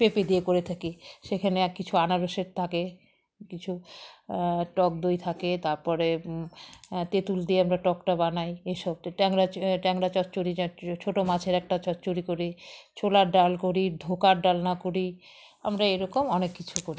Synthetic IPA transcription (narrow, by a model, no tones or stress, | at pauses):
peped̪iekoɾet̪ʰakiʃekʰanekit͡ɕʰuanaɾoʃeɾt̪ʰake | kit͡ɕʰu | ʈɔk̚d̪ojt̪ʰaket̪aɾpɔɾe | t̪et̪uld̪ieamɾaʈɔkʈabanajeʃɔb̚ʈɛŋɾaʈɛŋɾat͡ɕɔtːt͡ɕoɾiat͡ɕʰoʈomat͡ɕʰeɾɛk̚ʈat͡ɕɔtːt͡ɕoɾikoɾit͡ɕʰolaɾɖalkoɾiɖʱokaɾɖalnakoɾi | a̰mɾaeɾɔkomɔnekːit͡ɕʰukoɾi